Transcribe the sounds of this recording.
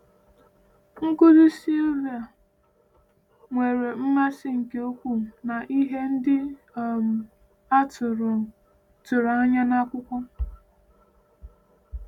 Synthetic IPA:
ŋ̩˦kʊ˦zi˦si˦lvi˨a˨ | ŋʷe˨ɾe˨m̩˦ma˦sɪ˦ŋ̩˨ke˨o˦kʷu˦˨na˨ʔi˦ɦe˦n̩˦dɪ˦˨ | m̩˨ | a˦tʊ˨ɾʊ˨ | tʊ˨ɾa˦ɲa˦na˦kʷʊ˦kʷɔ˦

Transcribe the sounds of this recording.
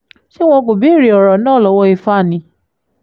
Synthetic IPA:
ʃi˦w̃ɔ̃˧ko˨bi˨˦˨ɾi˨˦ɔ˨ɾɔ˨nãː˦˨lɔ˧˦wɔ˧i˧fa˦˨nĩ˨˧˦

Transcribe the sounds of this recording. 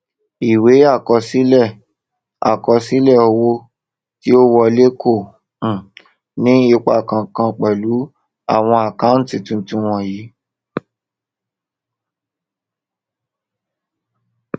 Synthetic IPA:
i˨we˨˦a˦˨kɔ˧si˦lɛ˦˨ | a̰˨kɔ˧si˦lɛ˦˨o˧wo˧ | ti˦o˦wɔ˧le˦kʰõ˦˨˦ | nĩ˦e˧˦k͡pa˦˨kã˧˨kã˧k͡pɛ˨lu˨˦ | a˦˨w̃ɔ̃˧a˨ka˦n̩˦ti˨tũ˧˦tũ˨˦w̃ɔ̃˧˨jiː˨˦

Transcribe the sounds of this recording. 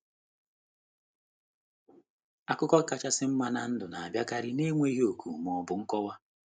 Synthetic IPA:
a˨kʊ˦kɔ˦ka˨t͡ʃa˦sɪ˦m̩˦ma˦na˨n̩˦dʊ˨na˨a˨bja˦ka˦ɾɪ˦ne˦ŋʷe˦i˦ɦo˨kʰṵ˨m˨ɔ˨˦bʊ˨ŋ̩˦kɔ˦wa˦

